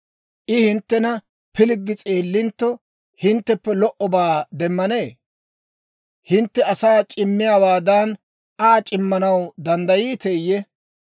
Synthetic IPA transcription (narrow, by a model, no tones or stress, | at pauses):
ʔɪhɪnt̪ːɛnɐ | pɪlɪɡːɪt͡sʼeːlːɪnt̪ːɔ | hɪnt̪ːɛpːɛlɔʔɔbaːd̪ɛmːɐne̞ː | hɪnt̪ːɛɐsaːt͡ʃʼɪmːɪjaːwaːd̪an | aːt͡ʃʼɪmːɐnɐwd̪ɐnd̪ɐjiːt̪eːjːɛ